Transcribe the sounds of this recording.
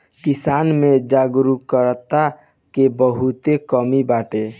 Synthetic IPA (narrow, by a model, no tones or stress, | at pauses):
kisaːnmẽd͡ʒaɡɾukəɾt̪a | kebəɦut̪ekəmibaːʈe